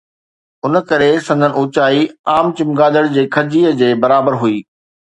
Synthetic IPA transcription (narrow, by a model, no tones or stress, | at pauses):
ʊnəkɐɾesɐ̃nd̪ʱənɪ̆uːt͡ɕaːiaːmt͡ɕɪmɡaːd̪əɽd͡ʑeːkʰɐd͡ʑiːəd͡ʑeːbɐɾaːbəɾɦuiː